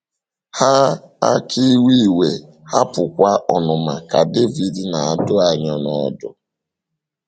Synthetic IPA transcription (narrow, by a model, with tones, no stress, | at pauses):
ha˦a̰˦kʰi˦wi˦˨we˨ | ha˦pʊ˨kʷa˦ʔɔ˨nʊ˨ma˨ka˨de˦vi˨di˨na˨a˨dʊ˦a˨ɲa˦nɔ˦dʊ̰˦